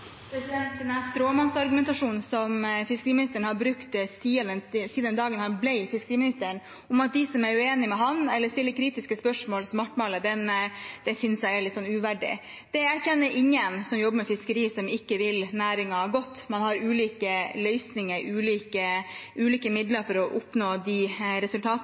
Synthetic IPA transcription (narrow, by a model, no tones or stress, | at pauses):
pʰɾɛsɪd̪ɛnt̪ənɑst̪ɾoːmɑnsɑɾɡʉmɛnt̪ɑʂuːnsɔmfɪskəɾiːmɪnɪst̪əɳəhɑɾbɾʉkt̪siːɑd̪ɛsiːd̪ɛnd̪ɑːɡənhɑnblɛɪfɪskəɾiːmɪnɪst̪əɳ | ʊmɑt̪̚d̪ɪsɔmæɾʉeːnɪmɛɦɑnɛlːəst̪ɪlːəɾkʰɾiːt̪ɪskəspœʂmoːlsɔmɑʈːmɑːləd̪ɛnd̪̥ɛsʏnsjæɪæɾɭlɪt̪ːsɔnːʉːʋæɖɪ̰ | d̪̥ɛæɾçɛnːəɾʔɪŋːənsɔmjɔbːəɾmɛfɪskəɾiːsɔmɪkːəʋɪlnæːɾɪŋɑɡɔt̪ːmɑnhɑɾʉːliːkəlœʏsnɪŋəɾʉːliːkəʔʉːliːkəmɪd̪ləɾfɔɾɔʔʊpnoːd̪ɪɾɛsʉlt̪ʰɑːt̪